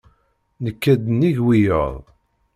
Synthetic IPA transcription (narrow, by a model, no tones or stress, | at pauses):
nəkːæd̪niʝwijə̰ðˤ